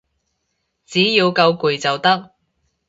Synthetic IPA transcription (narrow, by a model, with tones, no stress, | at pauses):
t͡siː˨˥jiː˧wkɐ˧wku˨jt͡sɐ˨˩wt̪ɐ˥k̚